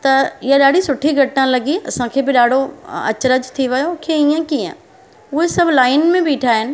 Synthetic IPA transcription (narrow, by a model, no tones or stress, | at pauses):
t̪ɐɪɦaɗaːɖ̤ʱisʊʈʰiɡʱɐʈːãlɐɡiɐ̰sãkʰeːbɪɗaːɖ̤ʱoɐ̰t͡ɕɾəd͡ʑt̪ʰiʋɪjõkʰeiːə̃kiːə̰̃ | ʊɦesɐbʱlaːɪnmẽbɪːʈʰaːɦɪnɪ̆